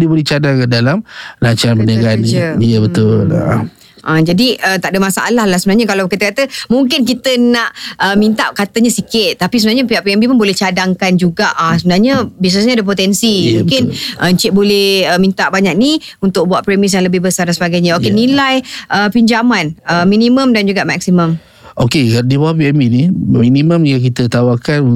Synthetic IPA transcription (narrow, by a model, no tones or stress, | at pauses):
dibolɛht͡ʃadaŋkədalamlaɲt͡ʃaɾanbənaɡaniiəbət̪ʊla̰ | ʔad͡ʒadiʔət̪aʔdəmasaʔa̰lahlahsəbənaɲakalawkit̪əkat̪əmuŋk̬ɪnk̬it̪ənaʔʔəmint̪aʔ̚kat̪əɲasikɪt̪̚ːapis̬əbənaɲəpiaʔpiɛmbipʊnbolɛht͡ʃadaŋkand͡ʒuɡaʔasəbənarɲəbis̬nəsɲaadəp̬ot̪ɛnsimũŋkɪnʔəɲt͡ʃɪʔ̚bolɛhəmĩnt̪aʔbaɲak̚ni | unt̪ʊk̚buaʔpɾemɪs̬jaŋləbɪhbəsardansəbaɡajɲaokenilajʔəpiɲd͡ʒamanəminĩmə̃mdand͡ʒuɡaʔmak̚siməm | ʔokedibawapiɛmbiniminimə̃mjak̬it̪ət̪awakan